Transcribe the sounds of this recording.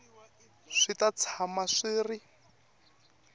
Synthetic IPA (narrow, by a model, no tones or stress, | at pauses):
ʂitat͡sʰamaʂiːri